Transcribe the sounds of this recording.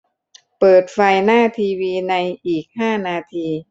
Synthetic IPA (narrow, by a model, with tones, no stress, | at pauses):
pɤː˨˩t̪̚fa˧jnaː˥˩t̪ʰiː˧wiː˧na˧jʔiː˨˩k̚haː˥˩naː˧t̪ʰiː˧